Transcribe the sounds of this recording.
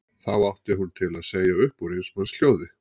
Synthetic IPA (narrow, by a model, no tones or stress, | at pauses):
θawawht̪ɪɦunt̪ʰɪlaðseːjaʏhpɔɾejnsmansl̥joːwðɪ